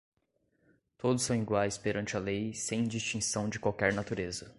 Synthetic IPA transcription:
t̪od̪ʊsːɐ̃w̃iɡwajspeɾɐ̃nt͡ʃɪɐlejsẽj̃d͡ʒist͡ʃĩsɐ̃w̃d͡ʒɪkwawkɛɾnat̪uɾezɐ

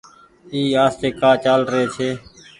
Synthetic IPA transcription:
iːaːst̪eːkaːt͡ʃaːlɾəɦeːt͡ʃʰeː

